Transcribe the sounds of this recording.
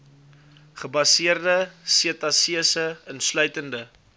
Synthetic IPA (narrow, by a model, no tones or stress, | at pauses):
χəbɐsiərdəsiətɐsiəsəənslœɥtəndə